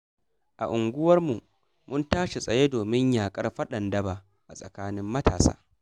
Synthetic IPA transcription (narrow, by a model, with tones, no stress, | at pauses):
ʔa˨ʔʊ˨ŋɡʷʊ˦wɐ˦rmu˨ | mʊ˦ntaː˦ʃe˨sʼɐ˨je˦doː˨mɪ˦ɲjaː˨kʼɐ˦rɸɐ˦ɗɐ˨ndɐ˦baː˨ | ʔa˨sʼɐ˨kaː˦nɪ˦mːɐ˦ta̰ː˨sa̰ː˦